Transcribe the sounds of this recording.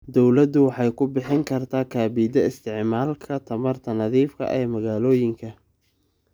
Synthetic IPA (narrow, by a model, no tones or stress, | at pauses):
d̪ɔwlɐd̪ʊwɑħɑjkʰʊbɪħɪŋkʰɐrt̪ʰaːkʰaːbiːd̪ɐɪst̪ʰɪʕmaːlkʰɐt̪ʰɐmɐrt̪ʰɐnɐðiːfkʰɐ̰ʔɛːmɐɣaːlɔːjɪŋkʰɐ